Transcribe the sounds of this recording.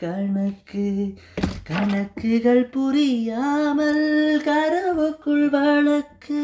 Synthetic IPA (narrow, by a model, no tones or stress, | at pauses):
kɐɻɳɐkːɯ | kɐɳɐkːɯɣɐɭpʊɾɪjaːmɐlkɐɾɐʋɯkːɯɭʋɐɭɐkːɯ